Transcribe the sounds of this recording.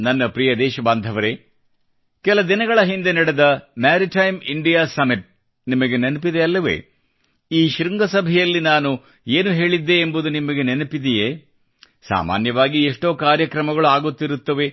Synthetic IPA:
nɐnːɐpɾijɐd̪ɛːʃɐbaːnd̪ʱɐʋɐɾe̞ | kɛlɐd̪inɐɡɐɭɐɦind̪e̞nɐɽed̪ɐmaːɾiʈɐjmiɳɖijaːsɐmiʈ̚ | nimɐɡenenpid̪eɐlːɐʋe̞̰ː | iːʃɾiŋɡɐsɐbʱɛjɐlːinaːnu | eːnuɦe̞ːɭid̪ːe̞ːmbud̪unimɐɡenenɐpid̪ijeː | sa̰ːma̰ːnjɐʋaːɡieʂʈo̞ːkaːɾjɐkɾɐmɐɡɐɭuaːɡut̪ːiɾut̪ːɐʋe̞

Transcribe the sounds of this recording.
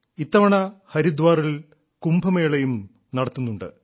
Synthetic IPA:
it̪ːɐʋɐɳɐhɐɾid̪ʋaːril | kumbʱɐmeːɭejum | nɐɽɐt̪ːunːuɳɖɨ̰

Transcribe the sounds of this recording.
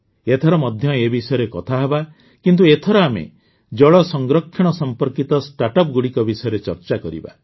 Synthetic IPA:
et̪ʰɔɾɔmɔd̪ʱjɔebisɔjɔɾekɔt̪ʰaɦeba | kint̪̬uet̪ʰɔɾɔamḛ | d͡ʒɔɭɔsɔŋɡɾɔkʰːjɔɽ̃ɔsɔmpɔɾkit̪ɔsʈaʈɔp̚ɡuɽikɔbisɔjɔɾet͡ʃɔɾt͡ʃakɔɾḭba̰

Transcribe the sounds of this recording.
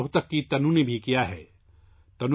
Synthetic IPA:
ɦʊt̪ɐkːit̪ɐnũnebʱikijaɦɛː | t̪ɐnu

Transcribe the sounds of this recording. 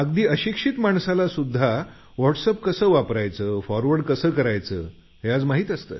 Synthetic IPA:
əɡd̪iːəɕikʂit̪maɳsalasud̪ʱːa | ʋɔʈsəpkəsəːʋapɾajt͡səːfɔɾʋəɾɖkəsəːkəɾajt͡sə̰ː | ɦead͡zmaɦiːt̪əst̪ə̰

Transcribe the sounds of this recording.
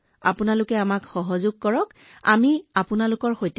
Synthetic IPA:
a̰pʊnalʊkɛamakxɔɦɔzʊɡ̚kɔɹɔk | a̰miapʊnalʊkɔɹxojt

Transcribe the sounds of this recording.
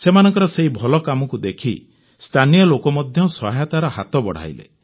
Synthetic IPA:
semanɔŋkɔɾɔseɦibʱɔlɔkamɔkud̪ekʰḭ | st̪ʰanijɔlokɔmɔd̪ʱjɔsɔɦjat̪aɾɔhat̪ɔbɔɽ̤a̰jlḛ

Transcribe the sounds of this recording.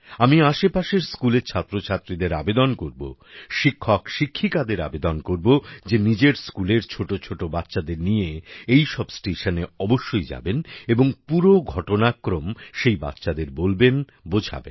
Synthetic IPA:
amiaʃepaʃeɾskuleɾt͡ɕʰat̪ːɾot͡ɕʰat̪ːɾid̪eɾabed̪onkoɾbo̰ʃikʰːokʃikʰːikad̪eɾa̰bed̪onkoɾbod͡ʑenid͡ʑeɾskuleɾt͡ɕʰoʈot͡ɕʰoʈobat̪ːɕad̪eɾnijeejʃɔbsʈeʃaneɔboʃːojd͡ʑa̰beneboŋpuɾoɡʱɔʈonakːɾomʃejba̰t̪ːɕad̪eɾbolben | bod͡ʑʱa̰bḛn

